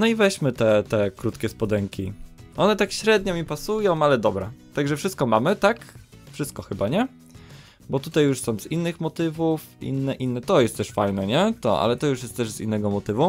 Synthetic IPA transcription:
nɔivɛɕmɘt̪ɛt̪ɛkɾut̪kʲɛspɔd̪ɛŋkʲiʔɔnɛt̪akɕɾɛd̪̚ɲɔmʲipasujɔ̃w̃alɛd̪ɔbɾa̰t̪aɡʐɛfʂɘst̪̚kɔmamɘt̪akfʂɘst̪kɔxɘbaɲɛ | bɔt̪ut̪ajːuʂsɔ̃w̃t̪zinːɘxmɔt̪ɘvuf | ḭnːɛʔinːɛt̪ɔjɛst̪t̪ɛʂfajnɛɲɛt̪ɔ̰ʔa̰lɛt̪ɔjuʂjɛst̪t̪ɛʐzḭnːɛɡɔmɔt̪ɘvu

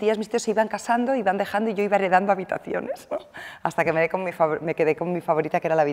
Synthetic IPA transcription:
t̪iazmist̪ioseiβaŋkasand̪oiβand̪e̞xand̪o̞iʝo̞iβaerɾeð̞and̪oaβit̪a̰θjo̞̰ne̞sa̰st̪ake̞meekommifaβme̞ke̞ðeko̞mmifaβo̞ɾit̪akee̞ɾalaβi

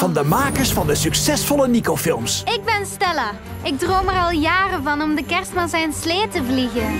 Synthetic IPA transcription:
vɑndəmaːkəɹsfɑndəsɵksɛsfɔlənikowfɪlˠmsɪɡ̚bɛnstɪla | ɪɡ̚drowmərɑlˠjaːrəvɑnɔmdəkɛɹstmazɛnsleːtəvliɣən

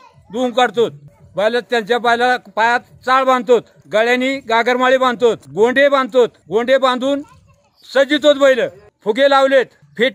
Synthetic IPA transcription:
d̪uŋɡkəɽt̪ot̪̚ | bəjlat̪jãt͡ɕjapəjlapajat̪t͡saɭbãnd̪t̪ot̪ | ɡəɭjãniɡaɡəɾmaɭebãn̚t̪ot̪ɡõɳɖebãn̚t̪ot̪ɡõɳɖebãnd̪uːn | səd͡ʑit̪ot̪bəjləː | pʰuɡelawlet̪ | pʰeʈ

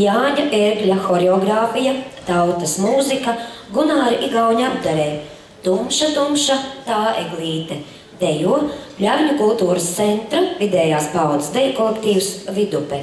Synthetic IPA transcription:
jaːɲaʔeɾɡlʲaxɔɾeɔɡɾaːfijat̪awt̪ɐsmuːzikɐɡunaːɾiʔiɡawɲiab̚d̪aɾɛː | t̪umʃat̪umʃat̪aːḛɡlʲˠiːt̪ɛ | d̪̥ɛjuɔplʲavʲɲʲukulˠt̪uːɾɐst̪sɛnt̪ɾavid̪ɛːjaːspawd̪sd̪ɛjkɔlˠekt̪iːwsvid̪upɛ

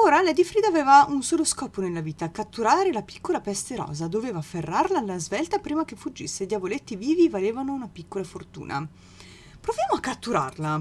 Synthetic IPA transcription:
oːɾalɛd̪ifɾid̪aːveːvaunsoːloskɔːponelːaviːt̪akat̪ːuɾaːɾelapi̥kːolapɛst̪eɾɔ̰ːzad̪oveːvaferːarlalːazvɛlt̪apɾiːmak̟efud͡ʒːisːed̪javolet̪ːiviːvivaleːvanounapikːolafort̪ṵːnʔa̰ | pɾovjaːmoakːat̪ːuɾa̰rla

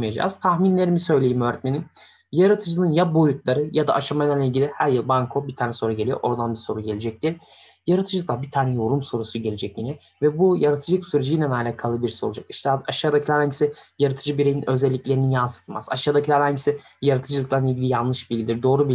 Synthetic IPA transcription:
majad͡ʒa̰ːz̥t̪ʰaxminlʲe̞ɾimisø̞jlʲejimøːɾɛt̪̚me̞nim | jaɾat̪ʰɯd͡ʒɯnɯnjabo̞jut̪lˠaɾɯjad̪a̰ʔaʃamajd̪anilʲɟilʲihæɾjɯlˠbaŋkʰo̞bit̪ʰaːnɛso̞nɾuɟelʲijo̰ʔo̞ɾd̪anbiso̞ɾuɟe̞lʲe̞d͡ʒɛc̚t̪ʰiɾ | jaɾat̪ʰɯd͡ʒlɯd̪ˠabit̪ʰaːnɛjo̞ɾumso̞ɾusuɟe̞lʲed͡ʒɛcjinɛ | vɛbujaɾat̪ʰɯd͡ʒɯksyɾed͡ʒijnʲɛnaːlʲakʰalˠɯbiɾso̰lˠud͡ʒa̰ki̥ʃt̪ʰɛaʃaːd̪acʰilæɾhaɲɟisijaɾat̪ʰɯd͡ʒɯbiɾejninʔø̞zɛlʲːiclʲe̞ɾinijansɯ̥t̪ʰɯma̰z̥a̰ʃaːd̪acʰilæɾhaɲɟisi | jaɾat̪ʰɯd͡ʒɯlˠɯk̚lˠanilʲɟilʲijanˠlˠɯʃbilʲɟʲid̪iɾd̪o̞ːɾubi

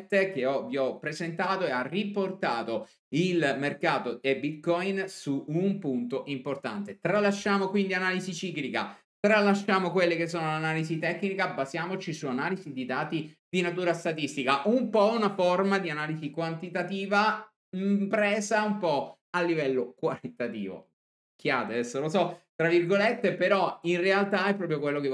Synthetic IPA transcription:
t̪ːek̟eɔviɔpːɾezent̪aːt̪oearːiport̪aːt̪o | ilmerkaːt̪oebit̪̚kɔjnsuumpunt̪oʔimport̪a̰nt̪et̪ɾalːaʃːaːmokwind̪ianaːlizit͡ʃiːklika̰ | t̪ɾalːaʃːaːmokwelːekes̬ːoːnolanaːlizit̪ɛkːnikabazjaːmot͡ʃisuanaːlizid̪id̪aːt̪id̪̥inat̪uːɾast̪at̪ist̪ikaʔumpɔunaformad̪ianaːlizikwant̪it̪at̪iːva | mpɾɛːzaumpɔ | alːivɛlːokwaɾit̪at̪ḭːvo̰ | ikːjaːt̪ead̪ɛsːolosɔt̪ɾavːirɡolet̪ːepeɾɔinrealt̪aɛpːɾɔːp̬ɾjokwelːoke

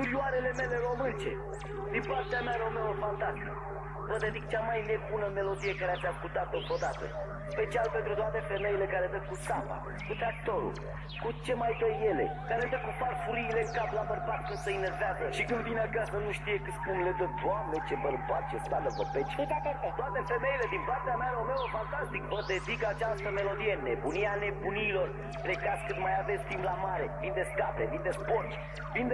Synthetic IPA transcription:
kuɾjuaɾe̞le̞me̞le̞ɾo̞mɨnt͡ʃe̞̰ | d̪impart̪eamjaeɾeomeofant̪asik | pəd̪ed̪ikt͡ʃamajne̞bunəme̞lo̞d̪ije̞kaɾeat̪sʲaskut̪at̪ot̪od̪at̪ə̰ | spe̞t͡ʃialpent̪ɾut̪oat̪e̞fe̞mejile̞kaɾed̪əkkːusapa̰ | kut̪ɾak̚t̪o̞ɾṵl | kut͡ʃe̞majd̪əjːe̞le̞̰k̪aled̪əkuparfuɾiːle̞kaplabərbat̪̚kɨnd̪səinerveazəʃikɨnd̪vineakasənuʃt̪ije̞kɨt̪spunlet̪əd̪oamnet͡ʃebərbat̪̚t͡ʃest̪aləvobet͡ʃt̪akot̪t̪oat̪e̞fe̞me̞ile̞d̪inpart̪eamʲalomeofant̪ast̪ikbəd̪e̞zikat͡ʃast̪əme̞lo̞d̪ije̞nebunieane̞buniːlo̞r | plekat̪skɨnt̪majavesʲt̪imblamaɾevind̪eskapevind̪espo̞t͡ʃ | vind̪e

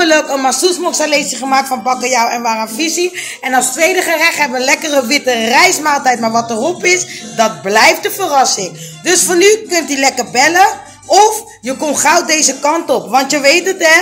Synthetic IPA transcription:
əløkənmasusmɔksalejsəχəmaːk̚tfɑnbɑkəjawɛnʋaːrənfisi | ɛnɑlˠstʋejdəχərɛχɦɛbəʋəlɛkərəʋɪtərɛjsmaːlˠtɛjt̚maːɹʋɑtərɔpɪsdɑt̚blɛjft̚dəfərɑsɪŋ | dɵsfɑnykɵntəlɛkərbɛlə | ɔf | jəkɔnχawdejzəkɑntɔpʋɑntjəʋejtətɛ

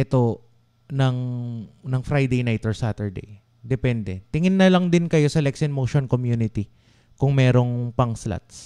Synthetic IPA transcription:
ʔɛt̪o̞ | nɐŋnɐŋfɾajd̪ejnajt̪ɔɹsat̪ɛɹd̪ḛj | d̪ɛpɛnd̪ɛt̪ɪŋɪnːɐlɐŋd̪ɪnkɐjo̞sɐlɛksɪnmowʃonkomjunɪt̪i | kʊŋmɛːɾo̞ŋpɐŋsla̰t̪s

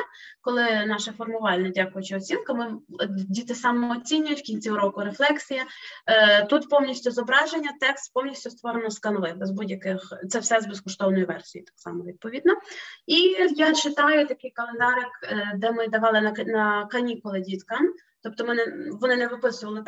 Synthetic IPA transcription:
kɔlˠɪnɑʃɛfɔrmʊʋɑlʲnɛdʲakʊjʊt͡ʃɪɔt͡sʲinkɐmɪdʲit̪ɪsɑmɔːt͡sʲinʲːʊjʊtʲkʲinʲt͡sʲiɾɔkʊɾeflˠɛksʲijɐ | t̪ut̪pɔwnʲisʲtʲʊzɔbɾɑʒenʲːɐt̪ɛkst̪pɔwnʲisʲtʲʊst̪ʋɔɾenɔskɐnlˠɪbɛzbudʲjɐkɪxt̪sɛwsɛzbeskɔʃt̪ɔwnɔjiʋɛrsʲijḭt̪ɑ̥ksɑ̰mɔʋʲid̪̚pɔʋʲid̪nɔijat͡ʃɪt̪ɑjʊt̪ɐkɪjkɐlˠend̪ɑɾɪkd̪ɛmɪd̪ɐʋɑlˠɪnɐnɐkɐnʲikʊlˠɪdʲit̪kɑm | t̪ɔp̚t̪ɔmɪnɪʋɔnɪnɛʋɪpɪsʊʋɐlˠɪ

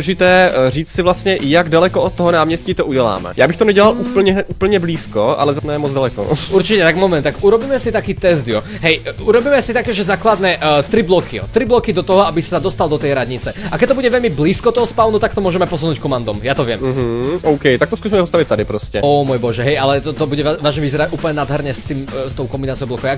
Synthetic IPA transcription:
ʒɪt̪ɛːriːt͡ssɪvlast̪ɲɛjaɡdalɛkɔot̪̚t̪ːɔɦɔnaːmɲɛsciːt̪ouɟɛla̰ːmɛ̰jaːbɪxt̪onɛɟɛlaluːpl̩ɲɛʔuːpl̩ɲɛbliːskoʔa̰lɛzanɛjɛmɔd͡zdalɛko̰uɾt͡ʃicɛt̪aɡmɔmɛnt̪akʔuɾɔbiːmɛsit̪akiːt̪ɛzd̪jɔ | ɦɛjuɾɔbiːmɛsit̪akɛːʒɛzaːklad̪nɛʔt̪ɾiblɔkʰijɔ̰t̪ɾiblɔkid̪ɔt̪ɔɦɔabissad̪ɔst̪alˠd̪ɔt̪ɛjɾad̪ɲit͡sɛakɛc̚t̪ɔbuɟɛʋɛʎmibliːskɔt̪ɔɦɔspaʊnut̪ak̚t̪ɔmʊɔʒɛmɛpɔs̬unuːckɔmand̪ɔmjat̪ɔʋɪɛm̩ɦ̩ɔʊkɛjt̪ak̚t̪ɔskuːsimɛpɔst̪aʋic̚t̪ad̪ipɾɔscɛɔmɔjbɔʒɛɦɛjalɛt̪ɔt̪ɔbuɟɛaʋaːʒɲɛʋizɛɾacʔuːplɲɛnad̪ɦɛɾɲɛst̪iːmst̪ɔʊkɔmbinaːt͡siɔʊblɔkɔj

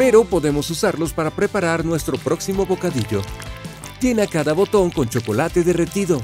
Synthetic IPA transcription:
pe̞ɾo̞po̞ðe̞mosusaɾlo̞spaɾapɾe̞paɾaɾnwe̞st̪ɾo̞pɾo̞ksimo̞βo̞kaðiʝo̞ | t̪enakaðaβo̞t̪o̞ŋko̞nt͡ʃo̞ko̞lat̪e̞ðere̞t̪iðo̞

